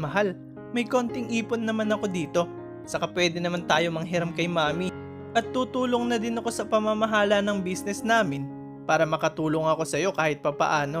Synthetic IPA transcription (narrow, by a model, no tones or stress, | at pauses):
mɐɦal | mɐjko̞ːnt̪ɪŋʔiːpʊnːɐmanɐko̞d̪iːt̪o̞ | sɐkapwɛːd̪ɪnɐmant̪aːjo̞mɐŋɦɪɾamkɐjmaːmi | ʔɐt̪̚ːut̪uːlo̞ŋnɐd̪ɪnɐko̞sɐpɐmɐmɐɦaːlɐnɐŋbiːsnɛsnaːmɪn | paːɾɐmɐkɐt̪uːlo̞ŋɐko̞sɐjo̞kaːhɪt̪̚pɐpɐ̰ʔaːno̞